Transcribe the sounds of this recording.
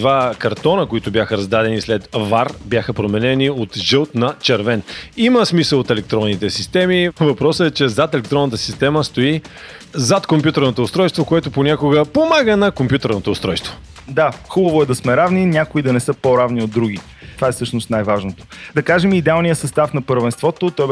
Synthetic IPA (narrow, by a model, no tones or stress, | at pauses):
d̪vakɐɾt̪ɔnəkoit̪ʊbʲjaxəɾɐzd̪ad̪ɛnislɛt̪vaɾbjaxəpɾomɛnɛniot̪ʒɤlˠt̪nɐt͡ʃɛɾvɛniməsmisəlˠot̪ɛlɛk̚t̪ɾɔnːit̪ɛsist̪ɛmivɐpɾɔsəɛt͡ʃɛzat̪ɛlɛkt̪ɾɔnət̪əsi̥st̪ɛməst̪oi | zat̪kompʲjut̪ɛɾnot̪oːst̪ɾɔjst̪vokoɛt̪oponʲakoɡəpomaɡənɐkompʲjut̪ɛɾnot̪oːst̪ɾɔjst̪vo | d̪axubəvoɛd̪ɐsmɛɾavninʲakʊid̪ɐnɛsɤpoɾavniod̪ːɾuɡʲi | t̪vaɛsɤʃnʊst̪najvaʒnot̪o̥d̪ɐkaʒɛmid̪ɛalˠnijəsɐst̪afnɐpəɾvɛnst̪vɔt̪ot̪ɔj